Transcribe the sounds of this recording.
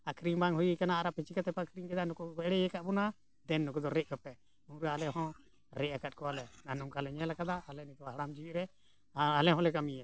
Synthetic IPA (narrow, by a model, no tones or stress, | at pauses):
akʰɾiŋbaŋɦujikanaːɾapit͡ʃikat̪ɛpakʰɾiŋkɛd̪anɔkuɛɽɛjɛkaʔbɔna | d̪ɛnːɔkud̪ɔɾɛʔkapɛ | ũɾaalɛɦɔ̃ | ɾɛʔakat̪̚kɔalɛnanuŋkalɛɲɛlakad̪aːlɛnik̪aɦaɽamd͡ʒiwiʔɾɛ | alɛɦɔ̃lɛkamiɛ